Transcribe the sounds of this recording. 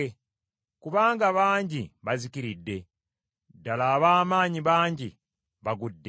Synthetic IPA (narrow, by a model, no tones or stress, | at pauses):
kuβaːŋɡaβaːɲɟiβazikiɾidːe̞ | dalaːβaːmaːɲiβaːɲɟi | βaɡudːe